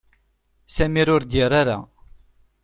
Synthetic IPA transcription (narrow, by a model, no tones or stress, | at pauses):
sæmiɾʊɾd̪jiɾaɾa̰